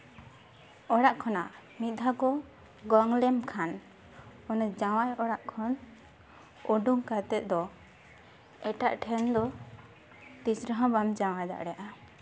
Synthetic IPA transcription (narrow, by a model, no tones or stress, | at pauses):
ɔɽaʔkʰɔna | mit̪̚d̪ʱakɔ | ɡɔŋlɛmkʰan | ɔnɔd͡ʒaw̃ajɔɽaʔkʰɔn | ɔɖuŋkat̪ɛt̪̚ˀd̪ɔ | ɛʈaʔʈʰɛnd̪ɔ | t̪isɾəɦãbamd͡ʒawajd̪a̰ʔɽɛjaʔa